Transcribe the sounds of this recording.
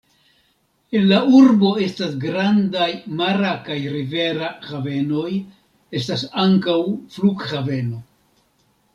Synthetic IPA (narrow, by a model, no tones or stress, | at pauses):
e̞nlauɾbo̞e̞stasɡɾandajmaɾakajɾive̞ɾahave̞no̞j | e̞stasaŋkawfluɡhave̞no̞